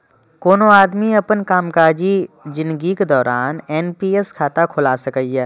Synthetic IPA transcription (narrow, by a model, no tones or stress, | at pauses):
koːnoaːd̪miɐpənkaːmkaːd͡ʒid͡ʒɪ̃nd̪ɡiked̪ɔːɾaːnɛːnpiːeskʰaːt̪akʰʊlasɐkəjɛː